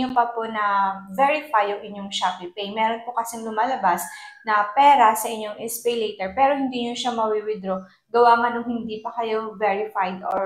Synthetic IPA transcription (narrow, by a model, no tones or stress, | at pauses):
opɐponɐvɛɹɪfajʊŋʔɪɲːoŋʃapipejmɛːɾonpʊkɐsɛŋlʊmaːlɐbasnɐpɛːɾɐsɐʔɪɲːoŋʔɛspɛjlɛjt̪ɛɹpɛːɾohɪnd̪iɲoʃɐmɐwiwɪd̪ɾo | ɡɐwaːmɐnʊŋhɪnd̪ipɐkɐjovɛɹɪfajd̪o